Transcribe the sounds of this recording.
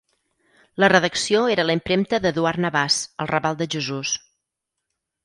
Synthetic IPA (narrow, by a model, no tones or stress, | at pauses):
lərəðəksioeɾələimpɾemt̪əðəðuaɾnəβasə̰lˠrəβalˠd̪əʒəzus